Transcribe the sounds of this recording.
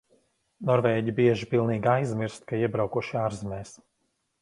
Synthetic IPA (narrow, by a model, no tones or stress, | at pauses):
nɔɾvɛːɟibiɛʒipilˠniːɡajzmiɾst̪̚kaiɛbɾawkuʃaːɾzmɛːs